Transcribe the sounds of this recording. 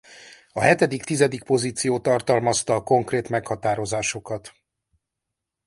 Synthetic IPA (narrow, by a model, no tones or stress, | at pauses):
ɒɦɛt̪ɛd̪ikt̪izɛd̪ik̚po̞ziːt̪sijoːt̪ɒrt̪ɒlmɒst̪ɒːko̞ŋkreːt̪mɛkhɒt̪aːɾo̞zaːʃo̞kɒt̪